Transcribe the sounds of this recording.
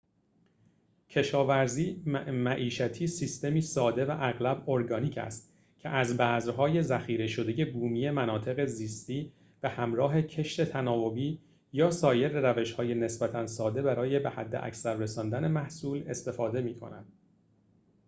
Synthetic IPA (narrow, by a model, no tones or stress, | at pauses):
cʰe̞ʃɒːvæɾziːmæʔiːʃæt̪ʰiːsiːst̪e̞miːsɒːd̪e̞væʔæɣlæboɾɡɒːniːcʰæ̰st̪ | cʰeʔæzbæːzɾɦɒːje̞zæxiːɾe̞ʃo̞d̪e̞je̞buːmiːje̞mænɒːt̪ʰe̞ɣe̞ziːst̪iː | b̥ehæmɾɒːɦe̞cʰe̞ʃt̪e̞t̪ʰænɒːvo̞biː | jɒːsɒːje̞ɾeɾæve̞ʃhɒːje̞ne̞sb̥æt̪ʰænsɒːd̪e̞bæɾɒːje̞be̞hæd̪ːeʔæ̰csæɾːe̞sɒːnd̪æne̞mæhsuːle̞st̪e̞fɒːd̪e̞miːkʰo̰næ̰d̪̥